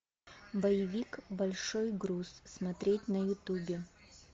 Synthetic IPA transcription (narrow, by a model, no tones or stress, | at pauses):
bɐjɪvʲikbɐlʲʂojɡɾusːmɐt̪ɾʲetʲnɐjʊt̪ubʲɪ